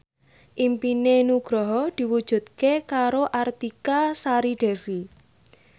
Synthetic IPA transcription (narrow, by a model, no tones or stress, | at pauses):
ʔimpinenuɡ̥ɾɔɦɔd̪̥i̤wud̥ʒ̥ṳt̪̚kekaɾoʔart̪ikasaɾiɖ̥ɛ̤vi